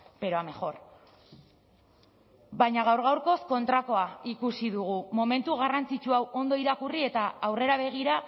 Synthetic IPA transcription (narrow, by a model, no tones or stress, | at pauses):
pe̞ɾoame̞xo̞ɾ | bajɲaɣ̞awɾɣ̞awɾko̞sko̞nt̪ɾako̞aikusiðuɣ̞umo̞me̞nt̪uɣ̞arant͡sit͡ʃuawʔo̞nd̪o̞iɾakurie̞t̪aːwre̞ɾaβ̞e̞ɣ̞iɾa